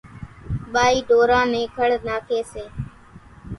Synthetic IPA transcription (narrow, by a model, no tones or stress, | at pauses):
ɓaːiːɖoːɾãːnẽːkʰəɽnaːkʰeːseː